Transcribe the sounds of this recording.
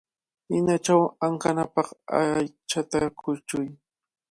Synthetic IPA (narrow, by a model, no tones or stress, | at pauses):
hɪnat͡ʃawaŋkanapɑχa̰jt͡ʃat̪akʰʊt͡ʃʊj